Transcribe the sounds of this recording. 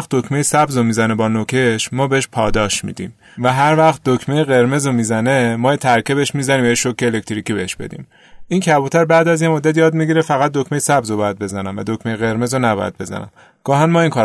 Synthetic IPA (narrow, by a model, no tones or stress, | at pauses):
χt̪̚d̪okʰmejesæbzomiːzænebɒːnokʰe̞ʃmɒːbeheʃpʰɒːd̪ɒːʃmḭd̪ḭːm | væɦæɾvæxt̪̚d̪okʰmejeɣe̞ɾme̞zomizæne̞mɒːjet̪ʰæɾkʰebeeʃmiːzæniːmvæjeʃokːeːlek̚t̪ɾicibeheʃb̥e̞̰d̪ḭːm | ʔiːncʰæbuːt̪ʰæɾbæːd̪æzjemod̪ːæt̪jɒːd̪miɟiɾefæɣæt̪̚d̪ocmejesæbzobɒːjæd̪̚be̞zænæmvæ̰d̪ocmejeɣe̞ɾme̞zonæbɒ̰jæ̰d̪̚be̞zæ̰næ̰m | ɡ̥ɒːɦænmɒːiŋkʰɒː